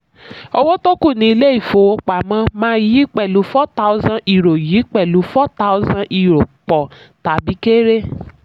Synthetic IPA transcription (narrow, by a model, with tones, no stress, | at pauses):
ɔ˦wo˦to˦ku˦˨nĩ˨˦le˦i˨fo˨o˧k͡pa˨mã˦mã˦ji˦k͡pɛ˨lu˨˦fɔ˦ta˦wzã˦ʔi˨ɾo˨ji˨˦k͡pɛ˨lu˨˦fɔ˦ta˦ʊ˦zã˦ʔi˨ɾo˨k͡pɔ˨ | ta˨bi˨˦ke˦ɾe˦